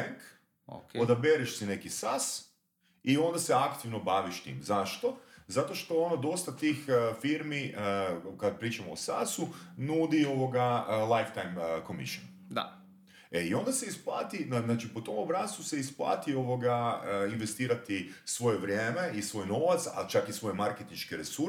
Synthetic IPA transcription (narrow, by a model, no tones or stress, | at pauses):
ɛŋk | o̰kod̪abeɾiʃsine̞kisas | io̞nd̪ase̞akt̪iʋno̞baʋiʃt̪ḭmzaʃt̪o̞zat̪o̞ʃt̪o̞onod̪o̞st̪at̪ixfiɾmiəkad̪̚pɾiːt͡ʃamoːsasunuːd̪ioʋo̞ɡaəlˠajft̪ajmko̞mḭʃon | d̪a̰ | eio̞nd̪ase̞isplˠaːt̪inanaːt͡ʃipot̪o̞mobɾast̪use̞isplˠa̰ːt̪io̞ʋo̞ɡaəinʋest̪iːɾat̪isʋo̞jeʋɾʲje̞ːme̞isʋo̞jno̞ʋat̪sa̰t͡ʃakisʋo̞jemaɾket̪inʃkeɾesu